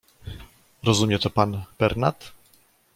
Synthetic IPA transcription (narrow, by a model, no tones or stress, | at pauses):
ɾɔzumʲjɛt̪ɔpanb̥ɛɾna̰t̪